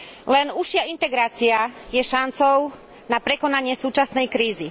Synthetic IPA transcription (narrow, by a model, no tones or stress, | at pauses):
lɛnuʃɪaint̪ɛɡɾaːt͡siajɛʃant͡sɔʊ | napɾɛkɔnaɲɪɛsuːt͡ʃasnɛjkɾiːzi